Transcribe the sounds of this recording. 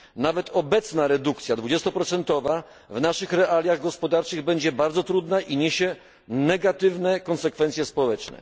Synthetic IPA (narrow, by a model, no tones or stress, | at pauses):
navɛt̪ɔbɛt̪snaɾɛd̪ukt̪sʲjad̪vud͡ʑɛst̪ɔpɾɔt̪sɛnt̪ɔva | vnaʂɘxɾɛʔalʲjaɣɡɔspɔd̪aɾt͡ʂɘɣbɛɲd͡ʑɛbaɾd̪zɔt̪ɾud̪naʔiɲeɕɛ | nɛɡat̪ɘvnɛkɔnsɛkfɛnt̪sʲjɛspɔwɛt͡ʂnɛ̰